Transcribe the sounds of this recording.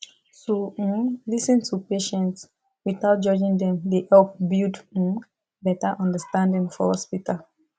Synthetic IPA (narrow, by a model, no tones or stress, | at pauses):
solisɛ̃ntʰupeʃɛ̃nts | wiθaʊt̚d͡ʒɔd͡ʒĩŋd̪ɛ̃mdehɛlp̚bild̩ | bɛtəʔɔ̃ndəstãndĩŋfɔ̰hɔspital